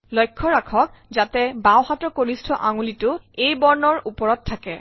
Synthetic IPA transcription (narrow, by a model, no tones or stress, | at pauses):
lɔjkʰːɔɹakʰɔkzatɛbawhatɔkoɹistʰɔʔaŋulitʊejbɔɹnɔɹupɔɹɔtʰːakɛ